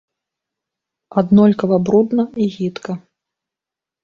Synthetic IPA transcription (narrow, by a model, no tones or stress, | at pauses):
ad̪nɔlʲkɐvɐbɾud̪nɐiɣʲit̪kɐ